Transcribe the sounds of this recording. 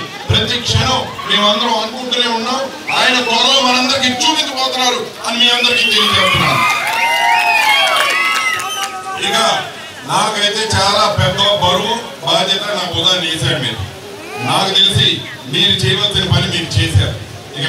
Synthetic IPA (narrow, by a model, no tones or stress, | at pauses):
pɾɐt̪jɐkʂɐɳɐmme̞ːmuɐnd̪ɐɾoːɐŋukuɳʈune̞ːunːaːm | aːjɐnɐɡɔlɐʋmɐnɐnd̪ɐɾik̬iːt͡ʃuːpint͡ʃɐpɔːt̪unːaːɾu | ɐnimiːɐnd̪ɐɾikiːd͡ʒ̪enit͡ʃept̪unːaːɾu | ikɐ | naːkɐjt̪e̞ːt͡ʃaːlaːpɛd̪ːɐbɐɾuʋɐm | baːd͡ʒjɐt̪anaːbud̪aːneːsaːɾumiːɾṵ | naːkut̪elisi | miːɾut͡ʃɛːjɐʋɐlsinipɐnːimiːɾut͡ʃeːsa̰ːɾu | ik